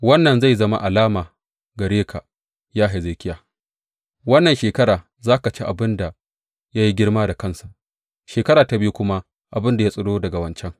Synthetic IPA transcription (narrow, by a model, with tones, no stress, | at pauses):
wɐ˦nːɐ˨nza˦˨jzɐ˦ma̰˦ʔa˨laː˦maː˨ | ɡɐ˨ɽeː˦kʰa˨ | jaː˦ɦa˨ze˨kʲɪ˦jaː˨ | wɐ˦nːɐ˨nʃeː˨kɐ˦ɾaː˨ | zaː˦ka˨t͡ʃe˦ʔa˨bɪ˦nda˨ | ja˦ji˦ɡʲɪ˦ɽmaː˦da˨kɐ˦nsa˨ʔ | ʃeː˨kɐ˦ɾaː˨ta˨bɪ˦ju˦kʷʊ˦ma˦ | ʔa˨bɪ˦nda˨ja˦sʼɐ˦ɽoː˦dɐ˨ɡa˨wɐ˦nt͡ʃɛ˦ŋ